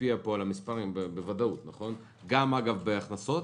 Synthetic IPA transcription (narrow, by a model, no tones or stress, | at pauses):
iapo̞alamispaʁimbebevad̪aut̪naχo̞n | ɡamaɡavbeaχnaso̞t